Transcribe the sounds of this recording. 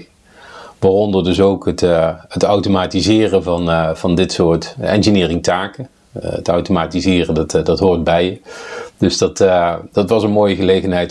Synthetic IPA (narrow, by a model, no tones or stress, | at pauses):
ʋaːrɔndəɹdɵs̬owkɦətətɑwtomaːtizɪːrənvɑnv̥ɑndɪtsʊːɹtɛ̰nʒənɪːrɪŋtaːkə | ə̰tɑ̰wtomaːtizɪːrəndɑtdɑtɦoːɹd̚bɛjəd̥ɵsd̥ɑtd̥ɑtʋɑsənmoːjəɣəlejχənɦɛjt